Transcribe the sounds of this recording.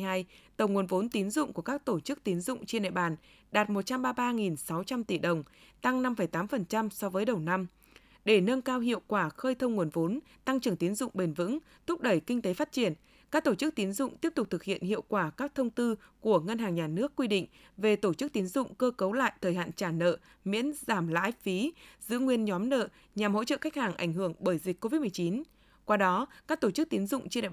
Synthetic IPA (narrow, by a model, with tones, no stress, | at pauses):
haː˧jt̪ə˨˩wŋu˨˩ənvo˨˦nt̪i˨˦ənzʊ̰˧˨ŋ͡mku˧˩əkaː˦˥k̚t̪o˧˩t͡ɕɨ˦˥k̚t̪i˨˦ənzʊ̰˧˨ŋ͡mt͡ɕe˧nɗḛ˧˨ɓaː˨˩n | ɗaː˨˩t̚mo˨˩t̚t͡ɕa˧mɓaː˧ɓaː˧ŋi˨˩nsa˨˦wt͡ɕa˧mt̪i˧˩ɗə˨˩wŋ͡mt̪a˧ŋna˧mfə˧˩jt̪aː˨˦mfə˨˩nt͡ɕa˧msɔ˧vəː˨˦jɗə˨˩wna˧m | ɗe˧˩nə˧nkaː˧wɦḭ˧˨əwkwaː˧˩xəː˧jt̪ʰə˧wŋ͡mŋu˨˩ənvo˨˦n | t̪a˧ŋt͡ɕɨ˨˩əŋt̪i˨˦ənzʊ̰˧˨ŋ͡mɓe˨˩nvɨ̰˧˥ŋ | t̪ʰʊ˦˥p̚ɗə˧˩jkï˧ŋ̟t̪e˨˦faː˦˥t̚t͡ɕi˧˩ən | kaː˦˥k̚t̪o˧˩t͡ɕɨ˦˥k̚t̪i˨˦nzʊ̰˧˨ŋ͡mt̪i˦˥əp̚t̪ʊ˨˩k͡p̚t̪ʰɨ˨˩k̚hḭ˧˨ənhḭ˧˨əwkwaː˧˩kaː˦˥k̚t̪ʰə˧wŋ͡mt̪ɨ˧ku˧˩əŋə˧nɦaː˨˩ŋɲaː˨˩nɨ˦˥əkːwi˧ɗḭ̈˧˨ŋ̟ | ve˨˩t̪o˧˩t͡ɕɨ˦˥k̚t̪i˨˦ənzʊ̰˧˨ŋ͡mkəː˧kə˨˦wla̰ː˧˨jt̪ʰəː˨˩jɦa̰ː˧˨nt͡ɕaː˧˩nə̰ː˧˨ | mḭ˧˥ənzaː˧˩mla̰ː˧˥jfi˨˦zɨ̰˧˥ŋwi˧ənɲɔ˨˦mnə̰ː˧˨ | ɲa˨˩mho̰˧˥t͡ɕə̰ː˧˨xa˦˥k̚haː˨˩ŋʔa˧˩jŋ̟ɦɨ˧˩əŋɓəː˧˩jzi˨˩k̟̚ʲko˧vi˦˥t̚m˨˩ə˩t͡ɕi˨˦n | kwaː˧ɗɔ˨˦kaː˦˥k̚t̪o˧˩t͡ɕɨ˦˥k̚t̪i˨˦nzʊ̰˧˨ŋ͡mt͡ɕi˧ɗa̰˨